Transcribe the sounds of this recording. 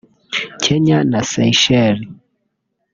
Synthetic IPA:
t͡ʃɛɲanasɛiʃɛɾi

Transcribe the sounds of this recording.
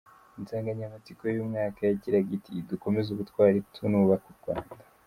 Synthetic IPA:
inzaːŋɡaɲamat͡sikojjumŋaːkajaɟiɾaɡitiduko̞me̞zuβutkwaːɾitʰunuːβakuɾɡwaːndḁ

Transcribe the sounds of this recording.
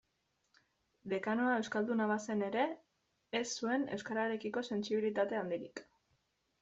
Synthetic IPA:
d̪e̞kanoae̞wskald̪unaβ̞ase̞ne̞ɾe̞ː | sːue̞ne̞̰wskaɾaɾe̞kiko̞se̞nsiβ̞ilit̪at̪e̞and̪iɾik

